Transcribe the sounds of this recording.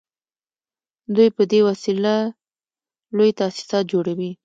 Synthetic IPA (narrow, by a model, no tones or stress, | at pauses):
d̪ujpəd̪ewasila | lojt̪aasɪ̥sɑt̪̚d͡ʒoɽawi